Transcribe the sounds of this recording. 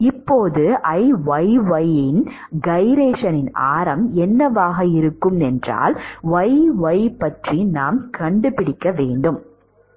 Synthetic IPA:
ɪpːoːðɯʔɐɪʋɐɪʋɐjɪn | ɡɐɪɾeːʂɐnɪna̰ːɾɐmɛnːɐʋaːɣɐɪɾɯkːɯmɛndra̰ːlʋɐɪʋɐɪpɐʈrinaːmkɐɳɖɯpɪɽɪkːɐʋeːɳɖɯm

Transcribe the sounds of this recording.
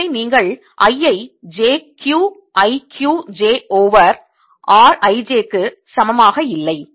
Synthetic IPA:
ɪniːŋɡɐɭ | ʔɐjːɐɪd͡ʒeːkjuː | ʔɐɪkʰjuːd͡ʒeːoːʋɐɾ | ʔaːɾɐɪd͡ʒeːkːɯ | sɐmɐmaːɣɐɪlːɐɪ

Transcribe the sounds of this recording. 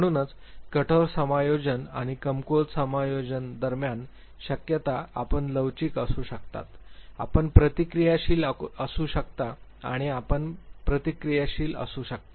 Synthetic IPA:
m̤əɽ̃uːnət͡skəʈʰəɾsəmajod͡ʑənaɽ̃ikəmkolsəmajod͡ʑənd̪əɾmjan | ɕəkjət̪aa̰pəɳləwt͡ɕiːkəsuːɕəkt̪a̰t̪a̰pəɳpɾət̪ikɾijaɕiːləsuːɕəkt̪aa̰ɽ̃iapəɳpɾət̪ikɾijaɕiːlə̰suːɕək̚t̪ḁ

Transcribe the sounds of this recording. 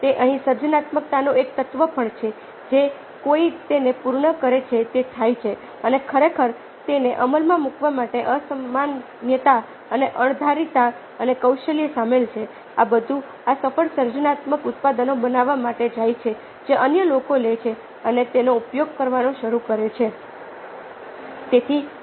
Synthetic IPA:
t̪eʔəɦĩsəɾd͡ʒənat̪mək̚t̪anoekt̪ət̪ʋəpʰəɳt͡ʃʰe | d͡ʒe | koit̪enepuɾɳəkəɾet͡ʃʰet̪et̪ʰajt͡ʃʰe | ənekʰəɾekʰəɾ | t̪eneʔəməlmãmukʋamaʈeʔəsəmːan | jət̪a | əneʔəɳ̃d̪ʱaɾit̪a | ənekəwʃəliesamelt͡ʃʰe | abəd̪ʱu | asəfəɭsəɾd͡ʒənat̪məkʊt̪pad̪ənobənaʋːamaʈed͡ʒajt͡ʃʰe | d͡ʒeʔənjəlokolet͡ʃʰe | ənet̪enoupjoɡ̚kəɾʋanõʃəɾukəɾet͡ʃʰe | t̪et̪ʰi

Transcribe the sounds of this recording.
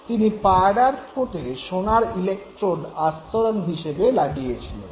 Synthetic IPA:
t̪inipaɖaɾpʰoʈeʃonaɾilek̚ʈɾoɖast̪oɾonɦiʃebelaɡijet͡ɕʰilḛn

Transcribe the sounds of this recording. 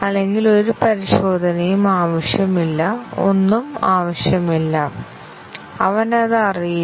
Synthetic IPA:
ɐlːe̞ŋɡilo̞ɾupɐɾiɕo̞ːd̪ʱɐnɐjumaːʋɐɕjɐmilːɐo̞̰nːumaːʋɐɕjɐmilːɐ | ɐʋɐnɐðɨɐriji

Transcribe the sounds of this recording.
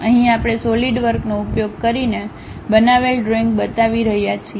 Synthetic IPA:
əɦĩapɽ̃esoliɖʋəɾknoupjoɡ̚kəɾine | bənaʋelɖɾoiŋk̚bət̪aʋiɾəɦjat͡ʃʰi

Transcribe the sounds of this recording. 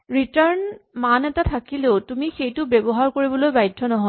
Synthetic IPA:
ɹitaɹnmanɛtatʰakileʊtumixejtʊbebɔɦaɹkoɹibɔlojbajdʱːɔnɔɦɔj

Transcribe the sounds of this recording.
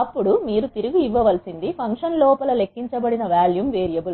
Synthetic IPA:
ɐpːuɽumiːɾut̪iɾuɡuiʋːɐʋɐlsind̪ipʰɐŋkʂɐnlɔːpɐlɐle̞kːiɲt͡ʃɐbɐɽinɐʋaːljumʋeːɾijɐbul

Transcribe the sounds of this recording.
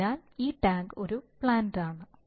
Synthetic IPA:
aːliːʈaːŋɡo̞ɾupɭaːnɖaːɳɨ

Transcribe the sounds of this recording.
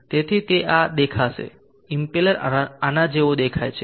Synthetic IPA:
t̪et̪ʰit̪eʔad̪ekʰaʃḛ | impeləɾanad͡ʒeod̪ekʰajt͡ʃʰe

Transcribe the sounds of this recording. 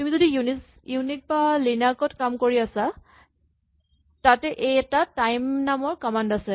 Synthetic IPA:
tumizodiunis | junit̚balinakɔtkamkoɹiasa | tatɛʔejɛtatajmnamɔɹkɔmandasɛ

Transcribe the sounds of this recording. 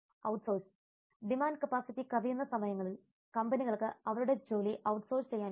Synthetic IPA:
ɐwʈso̞ːrs | ɖimaːnɖkɐpaːsit̪ːikɐðɐjunːɐsɐmɐjɐŋːɐɭil | kɐmbɐniɣɐɭkɨɐʋɐɾuɽe̞d͡ʑo̞ːliʔɐwʈso̞ːrst͡ɕe̞jːaːn

